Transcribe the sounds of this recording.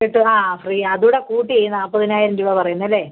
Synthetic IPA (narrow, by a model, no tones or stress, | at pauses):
iʈːɨaːfriːɐɐðuɽekuːʈːiejunːɐɐpːoːɐðinaːjiɾendiɽɐpɐrɐjunːɐlːeː